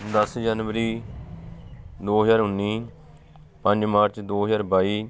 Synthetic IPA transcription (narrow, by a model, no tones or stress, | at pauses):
d̪əsd͡ʒaːnʋəɾiː | d̪oːɦəd͡ʒaːɾʊnːiː | pə̃ɲd͡ʒmaːɾt͡ʃd̪oːɦəzaːɾbaːiː